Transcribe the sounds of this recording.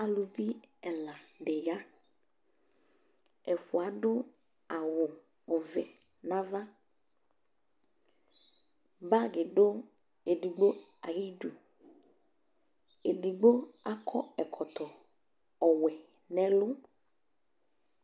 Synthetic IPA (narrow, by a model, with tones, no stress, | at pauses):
a˨lʊ˨vi˦ɛ˨la˨ɖɛ˨ja˦ | ɛ˨fʊ˨a˨ɖʊ˦ | a˨wʊ˨ | ɔ˨vɛ˨ | nã˦va˦ | ba˦ɡɪ˨ɖʊ˦ | e˨di˨ɡ͡bo˦a˨ji˦du˨ | e˨di˨ɡ͡bo˦a˦kʰɔ˦ɛ˨kʰɔ˨t̪ɔ˨ | ɔ˨wɛ˨ | nɛ˦lʊ˦